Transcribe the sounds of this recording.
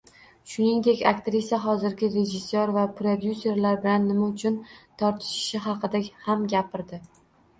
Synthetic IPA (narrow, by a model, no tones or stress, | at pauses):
ʃʊniŋd̪e̞kʲakt̪ɾisjaɦɒzɪɾɡʲɪɾe̞d͡ʒɪsːoɾvapɾod̪juse̞ɾlaɾbɪlanːɪmaʊt͡ʃʰʊnt̪ʰɒɾt̪ʰɪ̥ʃɪ̥ʃɪɦɑqʰɨd̪ahamɡʲapɪɾd̪ɪ